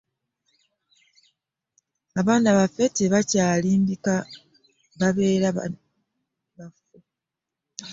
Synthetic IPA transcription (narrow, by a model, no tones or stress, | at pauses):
aβaːnaβafeteβacaːliːmbika | βaβe̞ːɾa | βaf | u